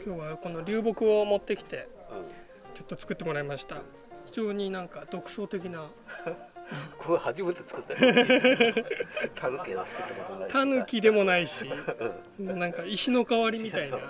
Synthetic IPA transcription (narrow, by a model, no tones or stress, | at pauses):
kʲo̞ːβako̞no̞ɾʲɨːbo̞kɯ̟o̞mo̞t̪ːe̞kʲi̥t̪e̞ | t͡ɕo̞t̪ːo̞t͡sɨ̥kɯ̟t̪ːe̞mo̞ɾaimaɕi̥t̪a | çid͡ʑo̞ːɲ̟inãŋkad̪̥o̞kɯ̟̥so̞ːt̪e̞kʲina | kʰohaʑimɯt̪et͡sɨ̥kɯt̪ːe | t̪ʰakʲeot͡sɨ̥kɯt̪ːekooat̪ʰanɯkʲid̪e̞mo̞naiɕi | nãŋkaiɕino̞kaβaɾʲimʲit̪ainna